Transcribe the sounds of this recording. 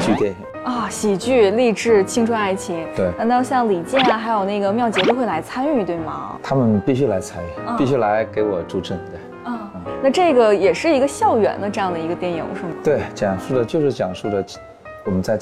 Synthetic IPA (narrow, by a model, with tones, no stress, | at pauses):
t͡ɕy˥˧t̪jɛ˥˩ni˨˩ɔ˥˩ɕi˨˩t͡ɕy˥˧li˥˧ʈ͡ʂɻ̩˥˧t͡ɕʰi˥ŋʈ͡ʂʰwa˥a˥˩ɪt͡ɕʰi˧˥ŋt̪we˥˩ɪa˧t̪ʊɕjɑ˥˩ŋli˨˩t͡ɕjɛ˥˩nɐ˩xa˧˥ɪjo˨˩ʊna˥˩ɡə˩mjɑ˥˩ʊt͡ɕjɛ˧˥t̪o˥ʊxe˥˩ɪla˧˥ɪt͡sʰa˥ny˥˧t̪we˥˩ɪmɐ̰˩t̪ʰa˥mə˨npi˥˩ɕ̬y˥˩la˧˥ɪt͡sʰa˥ny˥˩˥pi˥˩ɕy˥˩la˧˥ɪke˧˥ɪwɔ˨˩ʈ͡ʂu˧˥ʈ͡ʂʰə˥˩ŋt̪we˥˩ɪ | ɔ˥˩˥na˥˧ʈ͡ʂɤ˥˩ɡə˩jɛ˨˩ʂɻ̩˥˩i˧˥ɡə˧ɕjɑ˥˩ʊɥɛ̰˨˧˩nd̪ə˧ʈ͡ʂɤ˥˧jɑ˥˩ŋd̪ə˩i˧˥ɡə˧t̪jɛ˥˩njḭ˨˩ŋʂu˥˩mə˩t̪we˥˩ɪt͡ɕjɑ˨˩ŋʂu˥˩d̪ə˩t͡ɕjo˥˧ʊʂɻ̩˥˩t͡ɕjɑ˨˩ŋʂu˥˩d̪ə˩ | wɔ˨˩mə˦nt͡sa˥˧ɪ